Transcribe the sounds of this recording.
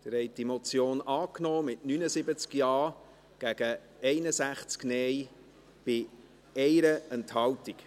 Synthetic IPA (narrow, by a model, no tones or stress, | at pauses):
d̥̪əɾɛɪtimɔt͡sjoːnɑːknɔːmɪtnynəsɪbət͡skjɑː | ɡ̥æɡ̥ə | ɛɪnəzæχt͡sknɛj | b̥ɪ | ɛjɾəɛnthɑltik